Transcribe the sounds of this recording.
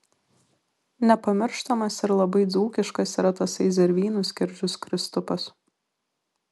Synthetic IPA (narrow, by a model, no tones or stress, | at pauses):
nʲɛpɐmʲɪɾʃt̪ɐmɐsɪɾlˠɐbɐɪd̪zuːkʲɪʃkɐsiːˑɾɐt̪ɐsɛɪzʲɛɾʲʋʲiːnʊsʲkʲɪɾʲd͡ʒʲʊskɾʲɪst̪ʊpɐs